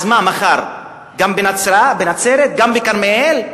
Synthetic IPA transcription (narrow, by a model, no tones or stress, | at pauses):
zmamaχaʁ | ɡambenat͡sɾaabenat͡seɾet̪̚ɡambekaʁmeel